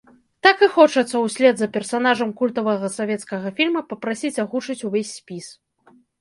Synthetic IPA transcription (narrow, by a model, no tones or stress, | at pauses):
t̪akɨxɔt͡ʂɐt̪sːɐwsʲlʲɛd̪zɐpʲɛrsanaʐɐmkulʲt̪ɐvɐɣɐsavʲɛt̪skɐɣɐfʲilʲmɐpɐpɾasʲit͡sʲaɣut͡ʂɨt͡sʲuvʲesʲːpʲis